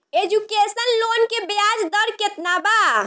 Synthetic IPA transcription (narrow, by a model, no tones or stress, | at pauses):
ed͡ʒukesənlonkebead͡ʒd̪əɾket̪naba